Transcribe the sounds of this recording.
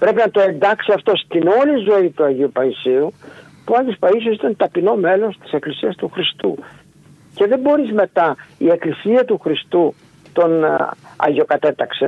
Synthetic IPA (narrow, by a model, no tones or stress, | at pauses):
pɾe̞pinɐt̪o̞e̞nd̪ɐksiɐft̪o̞st̪ino̞lizoit̪uɐʝiupɐisiu | puɐʝospɐisosit̪ɐnt̪ɐpino̞me̞lo̞st̪i̥se̞klisiɐst̪uxɾist̪ṵ | ce̞ðe̞bo̞ɾizme̞t̪ɐie̞klisiɐt̪uxɾist̪u | t̪o̞nɐ̰ʝo̞kɐt̪e̞t̪ɐkse̞̰